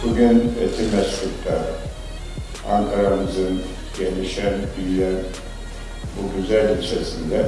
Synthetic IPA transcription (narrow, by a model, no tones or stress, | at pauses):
b̥uɟynet̪ʰiɾmɛstʰykt̪ʰaɾ | aŋkʰaɾamɯzɯn | ɟeniʃænb̪ijjæn | buɟyzælʲit͡ʃʰesind̪ɛ